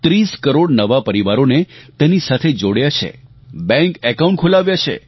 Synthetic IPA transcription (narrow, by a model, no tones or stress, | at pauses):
t̪ɾiskəɾoɽnəʋapəɾiʋaɾonet̪enisat̪ʰed͡ʒoɽjat͡ʃʰḛ | bɛ̃ŋkɛkaũɳʈ̚kʰolaʋjat͡ʃʰḛ